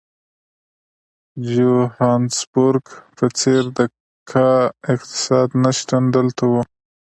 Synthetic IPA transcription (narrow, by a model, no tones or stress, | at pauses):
d͡ʒuhɑnsbʊɾɡpət͡seɾd̪ə | kʰaɪqt̪ɪ̥sɑd̪naʃt̪and̪əlt̪awu